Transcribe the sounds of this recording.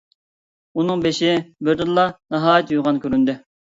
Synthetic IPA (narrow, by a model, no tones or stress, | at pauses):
unɨŋbeʃɪbøɾd̪ɪnlːˠɑnəɦɑːjɛt̪juʁɑnkʲøɾynd̪ɪ